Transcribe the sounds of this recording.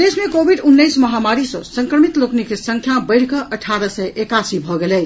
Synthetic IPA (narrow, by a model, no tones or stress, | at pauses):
d̪esmekobʱiɖunːəjsməɦamaɾisɔ̃səŋkɾəmit̪loknikesə̃ŋkʰjabəɪɽ̤kəʔəʈʰaɾəsəjʔekasibʱɔɡelɛ